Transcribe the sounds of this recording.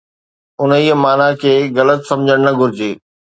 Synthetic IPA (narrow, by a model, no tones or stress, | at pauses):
ʊniːəmaːnakʰeːɣɐlət̪sɐ̃md͡ʑʱəɽ̃nɐɡʱʊɾɪd͡ʑeː